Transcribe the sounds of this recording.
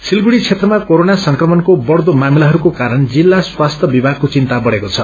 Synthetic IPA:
silɡuɽit͡sʰet̪rʌmakoɾonasʌŋkrʌmʌnkobʌɽd̪omamilaɦʌɾukokaɾʌnd͡zilːaswast̪ʰʌbibʱaɡ̚kːot͡sint̪abʌɽekot͡sʰʌ

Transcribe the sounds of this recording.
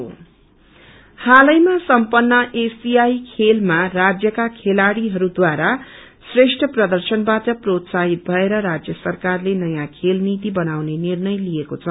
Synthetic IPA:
o̰ | halʌjmasʌmpʌnːʌʔesiajkʰelmarad͡zjʌkakʰelaɽiɦʌɾud̪waɾa | sreʂʈʰʌprʌd̪ʌrsʌnbaʈʌprot̪saɦit̪̚bʱʌeɾʌɾad͡zjʌsʌrkarlenʌjãkʰelnit̪ibʌnawnenirnʌjlijekot͡sʰʌ

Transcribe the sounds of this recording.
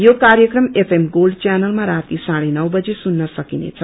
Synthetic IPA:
jokaɾjʌkrʌmepʰemɡolɖt͡sjanʌlmaɾat̪isaɽenʌwbʌd͡zesunːʌsʌkinḛt͡sʰʌ

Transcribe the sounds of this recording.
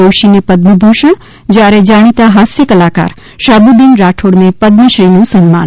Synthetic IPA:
oːʃinepəd̪məbʱuʃəɳ | d͡ʒjaɾed͡ʒaːɽ̃it̪aɦasjəkəlaːka̰ɾ | ʃaːbud̪inɾaːʈʰoɽnepəd̪məʃɾinũsənmã̰n

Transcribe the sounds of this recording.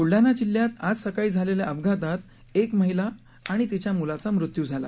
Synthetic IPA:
puɭɖanat͡ɕilːjat̪ad͡zsəkaiːd͡zʱaleljaəbɡʱat̪̬at̪ | ekməɦilaː | ɽ̃it̪it͡ɕjamulat͡samɾut̪jud͡zʱala̰

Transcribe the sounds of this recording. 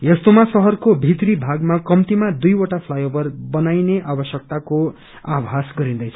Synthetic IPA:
jʌst̪omasʌɦʌrkobʱit̪ribʱaɡmakʌmt̪imad̪ujoʈapʰlajobʌrbʌnajneʔabʌsjʌk̚t̪ako | abʱasɡʌɾĩnd̪ʌjt͡sʰʌ

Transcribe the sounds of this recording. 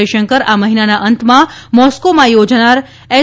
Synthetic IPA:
iʃəŋkəɾaməɦinanaʔənt̪mãmɔskomãjod͡ʒnaɾ | ɛ

